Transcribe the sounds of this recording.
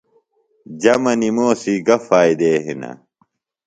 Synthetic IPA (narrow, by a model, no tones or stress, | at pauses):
d͡ʑɐmɐnimoːsiɡɐfaːid̪eːɦinɐ̰